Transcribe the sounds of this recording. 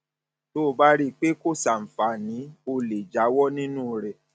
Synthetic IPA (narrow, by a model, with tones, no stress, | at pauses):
to˦˧ba˦ɾi˦k͡pe˦ko˦˨sa˨m̩˨fa˨˦˨nĩ˨˦o˧le˨d͡ʒa˨˦wɔ˦nĩ˦nũ˦ɾɛ˨